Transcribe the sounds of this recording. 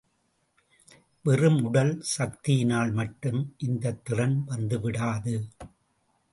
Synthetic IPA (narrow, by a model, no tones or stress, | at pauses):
ʋɛrɯmʊɽɐlsɐk̚t̪ɪjɪnaːɭmɐʈːɯmʔɪnd̪ɐt̪ːɪrɐnʋɐnd̪ɯʋɪɽaːðɯ